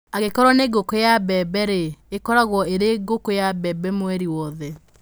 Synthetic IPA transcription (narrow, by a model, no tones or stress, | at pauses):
aɣekɔɾwɔneɡokojabɛbɛɾeekɔɾaɣwɔeɾeɡokojabɛbɛmwɛɾiwɔðɛ